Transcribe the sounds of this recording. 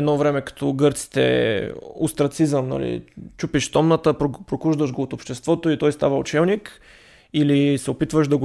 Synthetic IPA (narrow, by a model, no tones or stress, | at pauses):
ɛd̪nɔvɾɛmɛkɐ̥t̪ʰɔɡɤɾt̪si̥t̪ɛ̰ | ʊst̪ɾɐt̪sizəmnɐ̰lḭt͡ʃupiʃst̪ɔmnət̪əpɾopɾokuʒd̪əʃɡoːt̪opʃt̪ɛst̪vɔt̪oit̪ɔjst̪avəo̰t͡ʃɛlnik | ilisɛopit̪vəʃd̪ɐɡo